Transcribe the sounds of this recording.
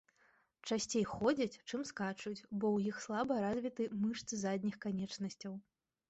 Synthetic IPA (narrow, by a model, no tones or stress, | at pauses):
t͡ʂasʲt͡sʲejxɔd͡zʲɐt͡sʲt͡ʂɨmskat͡ʂut͡sʲbɔwjixslˠabɐɾazʲvʲit̪ɨmɨʂt̪sɨzad̪ʲnʲixkanʲɛt͡ʂnɐsʲt͡sʲɐw